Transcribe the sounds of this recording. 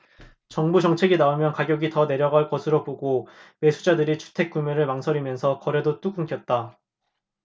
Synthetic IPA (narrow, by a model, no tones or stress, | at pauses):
t͡ɕʌŋbud͡ʑʌŋt͡ɕʰe̞ɡinaomjʌnkaɡjʌɡitʌne̞ɾjʌɡaɭk͈ʌsʰɯɾopoɡowe̞sʰud͡ʑadɯɾit͡ɕʰu̥tʰe̞k̚k͈umeɾɯɭmaŋsʰʌɾimjʌnsʰʌkʌɾe̞dot͈uɡuŋk͈ʰjʌt̚t͈a